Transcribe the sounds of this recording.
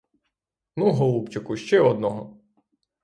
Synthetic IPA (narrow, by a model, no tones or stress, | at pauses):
nuɦɔlˠupt͡ʃɐkʊʃt͡ʃɛɔd̪nɔɦɔ